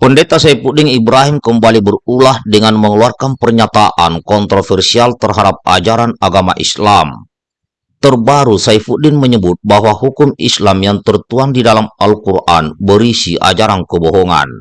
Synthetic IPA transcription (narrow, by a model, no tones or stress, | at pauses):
pəndet̪asaifudɪŋibɾaɦimkəmbalibərulahdəŋanməŋəluarkanpərɲat̪aʔankɔnt̪ɾofɛrsialt̪ərɦadap̚a̰d͡ʒaɾanaɡama̰ʔḭslam | t̪ərbaɾusaifudɪnməɲəbʊt̪̚baɦwaɦukʊmḭslamjaŋt̪ərt̪uaŋdidalamalkurʔa̰nbəɾisiʔa̰d͡ʒaɾankəboɦɔŋa̰n